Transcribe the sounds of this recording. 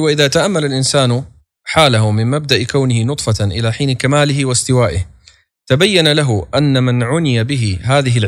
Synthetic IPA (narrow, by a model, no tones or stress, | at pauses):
waʔɪðaːt̪aʔamːalalʔɪnsaːn | ħaːlaɦʊmɪnmab̚d̪aʔɪkawnɪhɪnʊt̪ˤfɑʔɪlaːħiːnkamaːlɪɦɪwast̪ɪwaːʔɪh | t̪abajːanalaɦʊʔanːamanʕʊnɪjabɪɦɪɦaːðɪɦɪl